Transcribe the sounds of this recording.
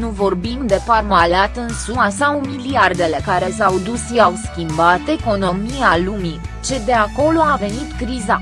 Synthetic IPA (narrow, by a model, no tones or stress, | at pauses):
nuvo̞rbimd̪e̞parmalat̪ɨnsumasaumiliard̪e̞le̞kaɾe̞sawd̪usʃiawskʲimbat̪e̞ko̞no̞mialumi | t͡ʃe̞d̪e̞ako̞lo̞ave̞nit̪kɾiza